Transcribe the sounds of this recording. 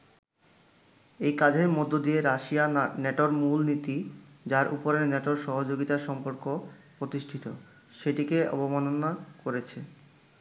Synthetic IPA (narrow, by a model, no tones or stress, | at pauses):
ejkad͡ʑʱeɾmod̪ʱːod̪ieɾaʃianɛʈoɾmulnit̪id͡ʑaɾʔupoɾeɾnɛʈoɾʃɔɦod͡ʑoɡit̪aɾʃɔmpoɾkopɾot̪iʃʈʰit̪o | ʃeʈikeʔɔ̰bomanonakoɾet͡ɕʰe